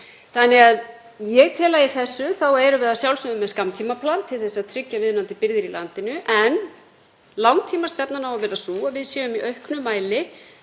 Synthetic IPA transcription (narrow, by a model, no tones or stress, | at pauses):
θanːɪɣað | jɛɣt̪ʰɛːlaɪθɛsːʏθawɛɾʏvɛːðasjawlsʏʏmːɛðskamt̪ʰimapʰlant̪ʰːɪlθɛsːaðt̪ʰɾʏcːavɪðnant̪ɪpɪɾðɪɾilant̪ɪnʏʔɛn | lawŋt̪ʰiːmast̪ɛpnanhawvavɛːɾasuːavɪðsjɛːʏmiʔœɥhknʏmaːjlɪ